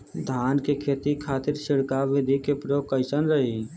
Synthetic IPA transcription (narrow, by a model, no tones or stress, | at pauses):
d̪ʱaːnkekʰeːt̪ikʰaːt̪ɪɾʃɪɽkaʋɪd̪ʱikepɾoːkəɪsənɾəɦi